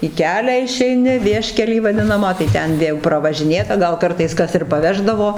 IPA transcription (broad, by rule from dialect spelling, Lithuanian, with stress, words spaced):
iː ˈkʲæːlʲæː ɪʃʲɛɪˈnʲɪ ˈʋʲiɛʃʲkʲɛlʲiː ʋɐˈdʲɪnɐmɑː tɐɪ ˈtʲɛn ˈʋʲeː jɛʊ prɐʋɐʒʲɪˈnʲeːtɐ ˈɡɐlˠ ˈkɐrtɐɪs ˈkɐs ɪr pɐˈʋʲæːʒdɐʋoː